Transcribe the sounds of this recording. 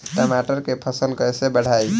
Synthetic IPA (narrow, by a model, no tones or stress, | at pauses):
ʈəmaʈəɾkepʰəsəlkəjsebəɽ̤aj